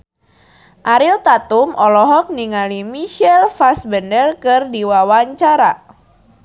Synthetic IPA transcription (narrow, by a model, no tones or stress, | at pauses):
ʔaɾilt̪at̪umɔlɔɦɔk̚niŋalimiʃɛlfasbəndərkɨrdiwawaɲt͡ʃaɾa